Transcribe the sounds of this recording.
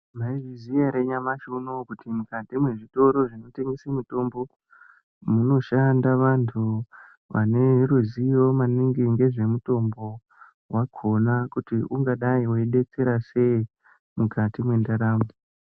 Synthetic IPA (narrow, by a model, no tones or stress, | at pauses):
maiʐizijaɾeɲamaʃunokutimukatimwe̞ʐito̞ɾo̞ʐino̞te̞ŋɡesamuto̞mbo̞ | muno̞ʃandaʋantʰu | ʋa̰ne̞ɾuzijo̞maniŋɡiŋɡe̞ʐe̞muto̞mbo̞ | waɡʰʱonakutiuŋɡaɗaiwoiɗe̞t͡se̞ɾase̞i | mukatimwe̞ndaɾaːmo